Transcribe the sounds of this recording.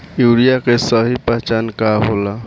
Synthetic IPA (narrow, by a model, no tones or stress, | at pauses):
juːɾijakesəɦipəɦt͡ʃankaɦola